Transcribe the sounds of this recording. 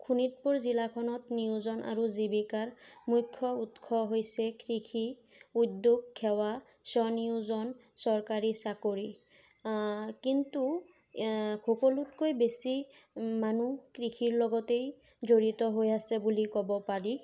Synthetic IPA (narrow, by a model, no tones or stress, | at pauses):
kʰunit̚puɹzilakʰɔnɔtniʊzɔnʔa̰ɹuzibikaɹmujkʰːɔutkʰɔɦojsɛkɹikʰi | udːuɡkʰːɛwa | sɔniuzɔnsɔɹkaɹisakoɹi | kintu | kʰokɔlutkojbesimanukɹikʰiɹlɔɡɔtej | zoɹitɔɦojasɛbulikɔbɔpaɹi